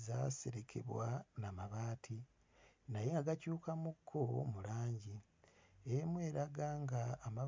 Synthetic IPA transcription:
za̰se̞ɾekʰe̞̰βwanamaβaːtʰi | najeŋɡaɡacuːkamukʰːomulaːɲɟi | emwe̞ːɾaɡaːŋɡaːma

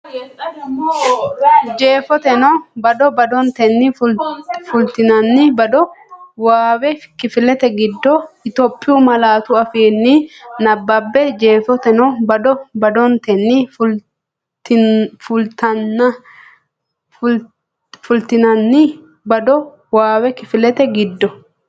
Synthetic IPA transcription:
d͡ʒeːfɔt̪ɛnɔbɐd̪ɔbɐd̪ɔnt̪ɛnːɪ | fʊlt̪ɪnɐnːɪbɐd̪ɔwaːwɛfɪ̥kːɪfɪlɛt̪ɛɡɪd̪ːɔɪt̪ɔpʼːɪjuːmɐlaːt̪ʊɐfiːnːɪnɐbːɐbːɛd͡ʒeːfɔt̪ɛnɔbɐd̪ɔbɐd̪ɔnt̪ɛnːɪfʊ | fʊlt̪ɐnːɐ | fʊlt̪ɪnɐnːɪ | bɐd̪ɔ | waːwɛkɪfɪlɛt̪ɛɡɪd̪ːɔ

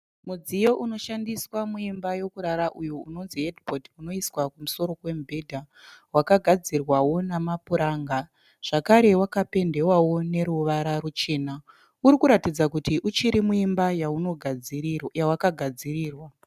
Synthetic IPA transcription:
mud͡zijo̞ʔuno̞ʃandiswamuimbajo̞kuɾaɾaʔujuuno̞nziɦedpotuno̞iswakumuso̞ɾo̞kwe̞mbʱe̞dʱa | wakaɡʱad͡zirwawo̞namapuɾaːŋɡa | ʐ̥akaɾe̞wakape̞nde̞wawo̞ne̞ɾuʋaɾarut͡ʃe̞ːna | uɾikuɾatid͡zakutiʔut͡ʃiɾimuimbajaunoɡʱ | jawakaɡʱad͡ziriːrwa

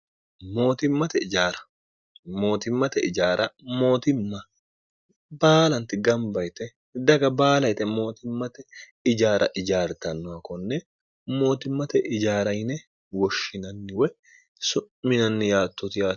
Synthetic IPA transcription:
mo̞ːt̪ɪmːɐt̪ɛɪd͡ʒaːɾɐ̥ | mo̞ːt̪ɪmːɐt̪ɛɪd͡ʒaːɾʔɐmo̞ːt̪ɪmːɐ | baːlɐnt̪ɪɡɐmbɐjt̪ɛ | d̪ɐɡɐbaːlɐjt̪ɛmo̞ːt̪ɪmːɐt̪ɛ | ɪd͡ʒaːɾʔɐ̰ʔɪd͡ʒaːɾt̪ɐnːɔɐkɔnːɛ | mo̞ːt̪ɪmːɐt̪ɛʔɪd͡ʒaːɾɐjnɛ | wɔʃːɪnɐnːɪwɛ | sʊːɪnɐnːɪjaːt̪ːʊt̪ɪjaː

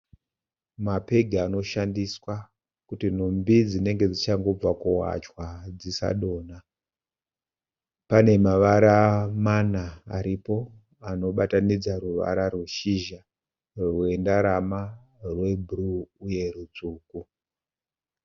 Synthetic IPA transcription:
mape̞ɡʱaːno̞ʃandiswa | kutin̤umbid͡zine̞ŋɡe̞d͡zit͡ʃaŋɡo̞b͡vakuwa̰t͡ʃwad͡zisa̰ɗo̞ːna | pane̞maʋaɾamanaːɾipo̞ | ano̞ɓatanid͡zaɾuʋa̰ɾarwuʃiʒa | rwe̞ndaɾama | rwe̞bʱruːje̞rut͡suːku

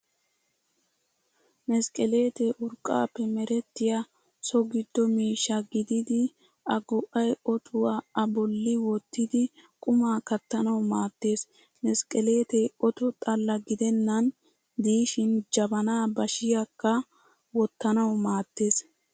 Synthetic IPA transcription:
nɛskʼɛle̞ːt̪eʔʊɾkʼːa̰ːpːɛmɛɾɛt̪ːɪjɐ | sɔɡɪd̪̥ːɔmiːʃːɐɡɪd̪ɪd̪ɪ | ɐɡɔʔɐjɔt̪ʰʊwaɐbɔlːɪwɔt̪ːɪd̪ɪkʼʊmaːkɐt̪ːɐnɐwmaːt̪ːe̞ːs | nɛskʼɛle̞ːt̪eɔt̪ʊt̪ʼɐlːɐɡɪd̪ɛnːɐn | d̪iːʃɪnd͡ʒɐbɐnaːbɐʃɪjɐkːɐ | wɔt̪ːɐnɐwmaːt̪ːe̞ːs

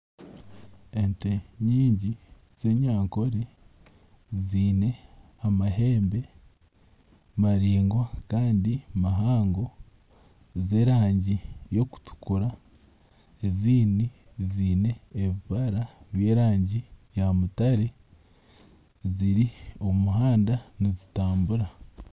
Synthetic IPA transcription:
enteɲiːɲɟi | z̥e̞ːɲwaːŋko̞ɾe | ziːne̞ | amaɦe̞ːmbe̞ | maɾiːŋɡwakaːndimaɦaːŋɡo̞ | zeːɾaːɲɟijo̞ku̥tu̥kuɾa | eziːni | ziːne̞ːβiβaɾaβjeːɾaːɲɟijamutaɾe | ziɾio̞muɦaːndanizitaːmbuɾa

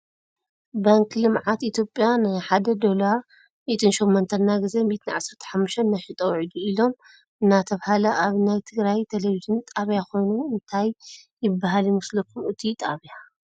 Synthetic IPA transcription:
baŋkʰlɨmʕat̪it̪ʰjopʼjanajħad̪ɐd̪o̞la | mit̪ʰɨnʃomːont̪ʰɐnːaɡɨze̞mit̪ʰɨnʕa̰sɨɾt̪ʰɐ̥ħamːuʃt̪ʰɐnːajħɨt̪ʼɐwʕid̪uilo̞m | ɨnːat̪ʰɐβhalɐʔaβnajt̪ʰɨɡɾajt̪ʰeleβizɨnt̪ʼaβjaxo̞jnuɨnt̪ʰajː | ɪbːaɦaljɪmɨslɐkʰːumɨt̪ʰit̪ʼaβja

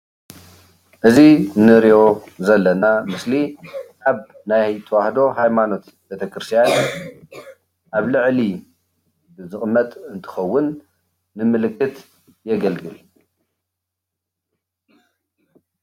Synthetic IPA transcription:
ʔɨzinɨɾijo̞zɐlːɐnamɨsliʔaβ | najt̪ʰɐwahd̪o̞ɦajmano̞t̪ | bet̪ʰɐkʰɾɨst̪ijan | ʔaβlɨʕli | bɨzɨχʼɨmːɐt̪ʼɨnt̪ʰɨ̥xɐwːʊnː | ɨmɨlɨkʼːɨt̪ | jɛɡɐlɡɨl

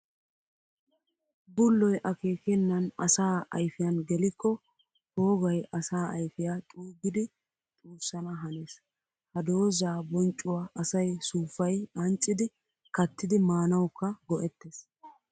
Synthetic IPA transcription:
bʊlːɔjʔɐke̞ːkɛnːɐnɐsaːʔɐ̰jfɪjɐnɡɛlɪkːɔ | ho̞ːɡɐjʔɐsaːɐjfɪjat̪ʼuːɡɪd̪ɪ | t̪ʼuːsːɐnɐɦɐneːs | hɐd̪o̞ːzaːbɔnt͡ʃʼːʊwaːʔɐsɐjsuːfɐjʔɐnt͡ʃʼːɪd̪ɪ | kɐt̪ːɪd̪ɪmaːnɐwkːɐɡɔʔɛt̪ːeːs

